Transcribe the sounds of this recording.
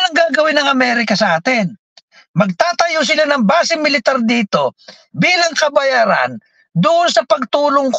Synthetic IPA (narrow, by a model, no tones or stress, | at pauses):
nɐŋɡaːɡɐwɪnːɐŋɐmɛːɾɪkɐsɐʔaːt̪ɪn | mɐɡ̚t̪aːt̪ɐjos̬ɪlanɐŋbaːsɪmɪlɪt̪aɾd̪iːt̪o̞ | biːlɐŋkɐbɐjaːɾa̰n | d̪ʊʔonsɐpɐɡ̚t̪uːloŋk